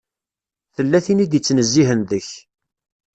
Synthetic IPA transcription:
θəlːæθinid̪it͡sːnəzːiɦənðəç

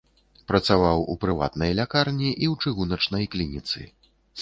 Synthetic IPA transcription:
pɾɐt̪savawupɾɨva̰t̪nɐjlʲakarnʲiʔiwt͡ʂɨɣunɐt͡ʂnɐjklʲinʲit̪sɨ̰

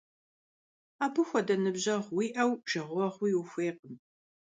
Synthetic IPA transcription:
aːbɨxʷɔdɐnɨbʑɐʁwiːʔɐwʒ̥ɐʁʷɔʁwiːwuxʷeːq̚əm

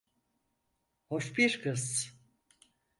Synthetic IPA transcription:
hoʃbiɾkʰɯz

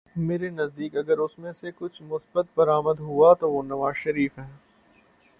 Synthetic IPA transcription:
meːɾenɐzd̪iːkɐɡəɾʊsmẽsekʊt͡ʃʰmʊsbət̪̚bɐɾaːməd̪ɦuat̪oʋonɐʋaːzʃɐɾiːfɦɛ̃ː

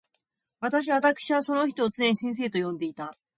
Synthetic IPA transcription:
βat̪aɕ̬iβat̪akɯ̥ɕiβaso̞no̞çi̥t̪o̞ːt͡sɨneɲisẽɰ̃s̬e̞ːt̪o̞jõ̞nd̪e̞it̪a

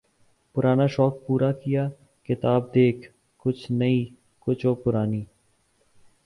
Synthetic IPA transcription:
pʊɾaːnaːʃɔːk̚puːɾakɪjaː | kɪt̪aːb̚d̪eːkʰ | kʊt͡ʃʰnəiː | kʊt͡ʃʰoːpʊɾaːniː

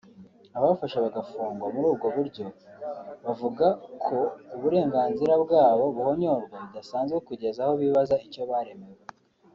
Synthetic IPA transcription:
aβaβfaʃaβaɡafuːŋɡwamuɾuːbɡoβuɾɟo̞ | βavuɡakʰo̞uβuɾe̞ːŋɡaːnziɾabɡaːβo̞βuho̞ɲo̞ɾɡwaβudasaːnzɡe̞kuɟe̞zaho̞βiβazaico̞βaɾe̞me̞we

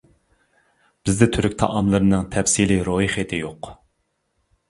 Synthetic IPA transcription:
b̥ɪzd̪ɛt̪ʰyɾykʲt̪ʰɑ̰ʔɑmlˠɨɾɨnɨŋt̪ʰɛfsiliɾoiχet̪ʰɪjoq

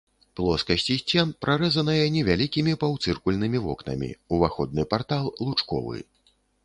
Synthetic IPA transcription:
plˠɔskɐsʲt͡sʲisʲt͡sʲɛnpɾaɾɛzɐnɐjɛnʲɛvʲalʲikʲimʲipawt̪sɨrkulʲnɨmʲivɔ̰knɐ̰mʲḭuvaxɔd̪̚nɨpart̪alˠlˠut͡ʂkɔ̰vɨ̰

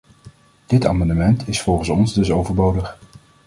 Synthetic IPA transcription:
d̥ɪta̰ːmɑndəmɛntʰɪsfɔlˠχənsɔnzdɵsowvəɹbowdəχ

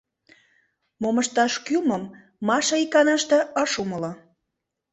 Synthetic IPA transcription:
moməʃt̪ɑʃkyməmː | ɑʃɑikɑnɑʃt̪ɤ̆əʃuməlo

